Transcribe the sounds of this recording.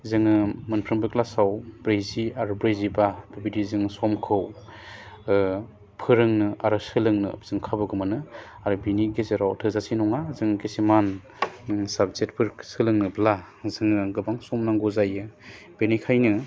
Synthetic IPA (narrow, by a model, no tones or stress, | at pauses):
zɯŋɯmɯnpʰɾɯmbɯklasawbɾejziaɾubɾejzibab̥ɯbidizɯŋsɔmkʰɯw | pʰɯɾɯŋnɯaɾɯsɯlɯŋnɯ̰z̥ɯŋkʰabɯɡɯmanɯ | aɾɯbiniɡezeɾaw̰tʰɯzasinɔŋazɯŋɡesiman | sab̚zet̚pʰɯɾksɯlɯŋnɯbla | zɯŋɯɡɯbaŋsɔmnaŋɡɔzajɯ | b̥enikʰajnɯ